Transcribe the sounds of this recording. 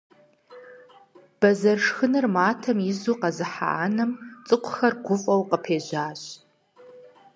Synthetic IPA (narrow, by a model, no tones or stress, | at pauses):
b̥ɐzɐrʂxɨnɨrmaːtʰɐmɪzuqɐzɨħa̰ʔaːnɨmt͡sʼɨqʷʰʊxɐrɡʷʊfʼɐwqəpʰeːʑʷaːɕʼ